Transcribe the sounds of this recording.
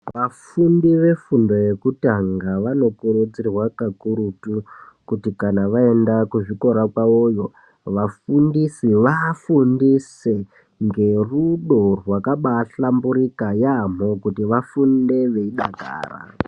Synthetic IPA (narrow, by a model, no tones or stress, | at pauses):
ʋafundiʋe̞fundo̞je̞kutaŋɡaʋano̞kuɾud͡zirwakakuɾutukutikanaʋae̞ndakuʐiko̞ɾakwaojo̞ | ʋafundisiʋafundise | ŋɡe̞ruɗo̞rwakaɓaɬambuɾikajam̤o̞kutiʋafunde̞ʋe̞iɗaɡʱa̰ːra̰